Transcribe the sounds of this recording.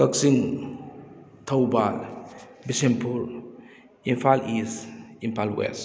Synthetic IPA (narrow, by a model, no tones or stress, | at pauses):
kəksiŋ | tʰawbal | bisempʰuɾ | impʰalisimpʰalwḛs